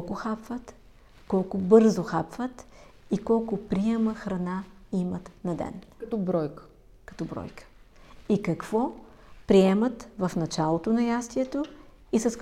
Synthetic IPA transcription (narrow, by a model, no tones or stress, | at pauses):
kʊxapvət̪ | kɔlˠkʊbɤɾzoxapvət̪ikɔlˠkʊpɾiɛməxɾɐnaimət̪nɐd̪ɛ̰nt̪ɔbɾɔjkə̥ | kɐ̥t̪ɔbɾɔ̰jkə̥ikɐkv̥ɔ | pɾiɛmɐt̪vɐfnɐt͡ʃalˠot̪onɐjast̪iɛt̪o | isɐs